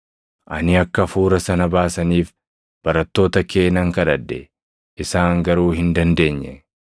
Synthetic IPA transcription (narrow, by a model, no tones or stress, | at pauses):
ʔɐnɪɐkːɐfuːɾɐsɐnɐbaːsɐniːf | b̥ɐɾɐt̪ːo̞ːt̪ɐke̞ːnɐŋkɐᶑɐd̪ːɛ | ʔɪsaːŋɡɐɾuːhɪnd̪ɐnd̪e̞ːɲːɛ